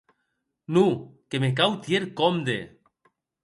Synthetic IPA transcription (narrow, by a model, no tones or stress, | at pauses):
nukemek̬awt̪jeɾkomd̪e